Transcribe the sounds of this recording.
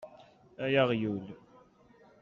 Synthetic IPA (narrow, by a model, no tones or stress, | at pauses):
æjaʁjul